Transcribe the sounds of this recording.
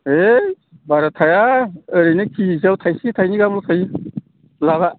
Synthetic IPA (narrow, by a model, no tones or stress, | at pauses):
e | baɾat̪ʰajaəɾinekʰizawt̪ʰajsitʰajniɡamlukʰaj | laβa